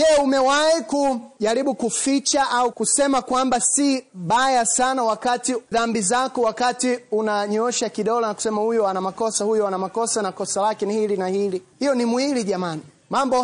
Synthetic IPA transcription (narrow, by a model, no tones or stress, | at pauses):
jɛumɛwaikuʄaɾiɓukufit͡ʃaʔaukusɛmakwambasiɓajasanawakatiðambizakɔwakatiunaɲɔʃakiɗɔlɔnaku̥sɛmahujɔanamakɔsahujɔanamakɔsanakɔsalakɛnihilinahilihijɔnimwiliʄamani | mambɔ